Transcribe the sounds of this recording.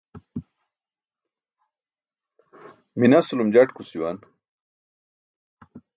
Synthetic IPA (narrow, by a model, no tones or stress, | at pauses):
minasulumd͡ʑaʈkusiwan